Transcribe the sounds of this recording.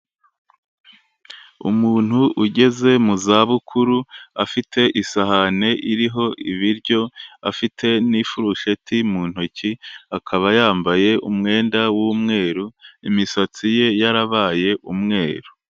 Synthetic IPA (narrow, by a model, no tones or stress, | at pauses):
ṵmuːn̥huʔuɟe̞ze̞muzaːβukʰuɾuafitʰe̞ʔisaɦane̞ʔiɾiɦo̞ʔiβiɾɟo̞afitʰe̞nifuɾuʃe̞timuːn̥hociakʰaβajaːmbaje̞ʔumŋe̞ːndawuːmŋe̞ːɾuimisat͡sije̞jaɾaβaːje̞ʔumŋe̞ːɾu